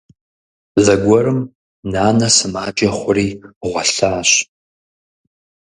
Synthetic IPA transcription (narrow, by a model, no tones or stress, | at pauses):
zɐɡʷɔrɨm | naːnɐsɨmaːd͡ʒʼɐχʷʊriːʁʷɔɬaːɕ